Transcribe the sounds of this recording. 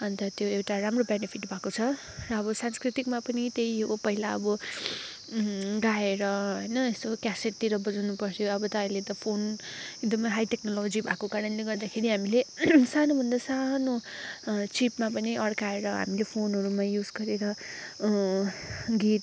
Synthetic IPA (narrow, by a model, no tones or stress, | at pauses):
ʌnt̪ʌt̪joewʈaɾamrobenepʰiʈbʱakot͡sʰʌ | rʌːbʌsanskrit̪ikmapʌnit̪ejpʌɦilaʌ̰bʌ | ɡaeɾʌɦʌjnʌest̪okaseʈ̚t̪iɾʌbʌd͡zanupʌsʰjoʌbʌt̪ʌʌj̃let̪ʌpʰonek̚d̪ʌmʌjɦajʈeknolod͡zibʱakokaɾʌnleɡʌrd̪akʰeɾiɦamilesanobʱʌnd̪asano | t͡sipmapʌniʔʌɽkaeɾʌɦa̰milepʰonɦʌɾumajud͡zɡʌɾeɾʌ | ɡit̪